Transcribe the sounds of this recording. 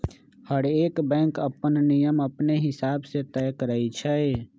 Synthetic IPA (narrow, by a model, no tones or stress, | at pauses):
həɽeːkbɛ̃ːŋkəpənnijəməpneɦɪsaːbset̪ɛːkəɾəit͡ʃʰəe